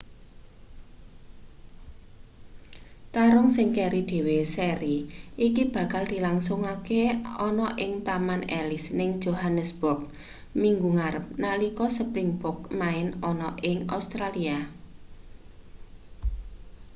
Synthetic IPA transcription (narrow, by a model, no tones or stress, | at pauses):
t̪aɾʊŋsɪŋkeɾid̪̥e̤wesɛɾiʔikib̥ä̤kald̪̥i̤laŋsʊŋakeɔnɔʔɪŋt̪amanɛ̰lɪsnɪŋ̥d͡ʒ̥oɦanəsb̥ʊrk̚ | miŋɡuŋaɾəp̚nalikɔsəpɾɪŋbʊrk̚maɪnɔnɔʔɪŋa̰wst̪ɾalia